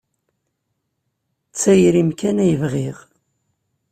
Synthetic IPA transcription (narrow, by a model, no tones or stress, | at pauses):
t͡sːæjɾimkænæjəvʁiʁ